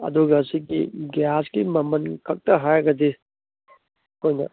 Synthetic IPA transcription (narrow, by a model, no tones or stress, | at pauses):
ɐ̰d̪uɡɐːsiɡiɡjasɡimɐmɐnkʰɐk̚tɐɦajɡɐdi | kʰojnɐ̰